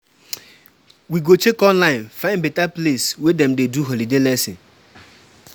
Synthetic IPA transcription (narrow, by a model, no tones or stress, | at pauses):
wiɡot͡ʃekɔ̃nlãɪ̃nfãɪ̃nbɛtapleswedɛ̃mdeduɦɔlidelɛsɪ̰̃n